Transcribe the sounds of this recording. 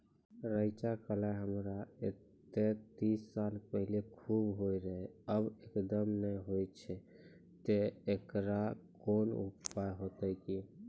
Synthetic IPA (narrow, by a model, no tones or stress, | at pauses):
ɾəjt͡ʃakəlaɦəmɾae | t̪et̪isːalpəɦilekʰubɦojɾəɦɛəbekd̪əmnəjɦojt͡ʃʰɛ | t̪eekɾakonṵppajɦot̪əjki